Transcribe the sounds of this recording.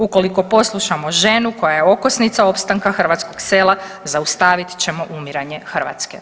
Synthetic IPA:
uko̞liko̞po̞slˠuʃamo̞ʒe̞nuko̞jajeo̞kosnit̪sao̞pst̪aŋkaxr̩ʋat̪sko̞ɡse̞ːlˠa | zaust̪aːʋit̪t͡ɕe̞mo̞ʔumiɾaɲe̞xr̩ʋa̰t̪ske̞̰

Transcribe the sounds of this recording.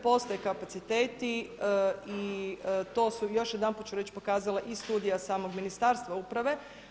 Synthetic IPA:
po̞st̪ajekapat̪sit̪eːt̪i | it̪o̞ːsujo̞ʃjed̪anput̪t͡ʃuɾet͡ɕpo̞kaːzalˠaʔist̪uːd̪ijasaːmo̞ɡminist̪aːɾst̪ʋaupɾaʋe̞

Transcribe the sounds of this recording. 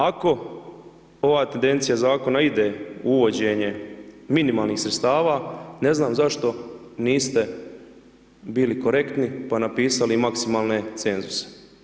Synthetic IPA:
ako̞ | o̞ʋaːt̪end̪e̞nt̪sijazaːko̞naid̪e̞uʋo̞d͡ʑeɲe̞minimaːlˠniːxsɾet̪st̪aːʋane̞znaːmzaʃt̪o̞ | niːst̪e̞ | biːliko̞ɾe̞kt̪nipanapiːsalimaksimaːlˠne̞t̪se̞nzuse̥

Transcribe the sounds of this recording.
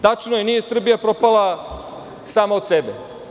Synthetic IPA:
t̪at͡ʃnojenije̞sr̩bijapɾo̞palˠa | saːmaot̪sebe

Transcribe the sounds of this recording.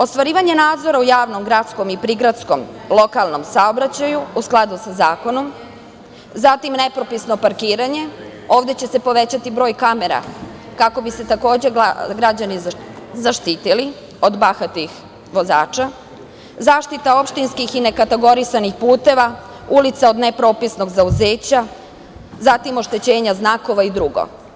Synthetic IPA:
o̞st̪ʋaɾiːʋaɲe̞naːd̪zo̞ɾaujaːʋno̞mɡɾat̪sko̞mipɾiɡɾat̪sko̞m | lˠo̞kalˠno̞msaobɾat͡ɕajuusklˠad̪usazaːko̞no̞m | zat̪imne̞pɾo̞pisno̞paɾkiːɾaɲe̞ | o̞ːʋd̪e̞t͡ɕe̞se̞po̞ʋe̞t͡ɕat̪ibɾo̞ːjkame̞ɾa̰ | kako̞bise̞t̪ako̞ːd͡ʑe̞ɡɾad͡ʑani | zaʃt̪iːt̪ili | o̞d̪baxat̪ix | ʋo̞za̰ːt͡ʃa | zaːʃt̪it̪ao̞pʃt̪inskixine̞kat̪e̞ɡo̞ɾisanixpuːt̪e̞ʋa | ulit̪sao̞d̪nepɾo̞ːpisno̞ɡzauzeːt͡ɕa | zat̪imo̞ʃt̪e̞t͡ɕe̞ːɲaznaːko̞ʋaid̪ɾuɡo̰

